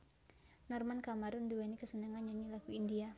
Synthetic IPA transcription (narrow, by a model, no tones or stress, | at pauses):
nɔrmankamaɾʊnduwɛnikəsənaŋanjaŋilakuindia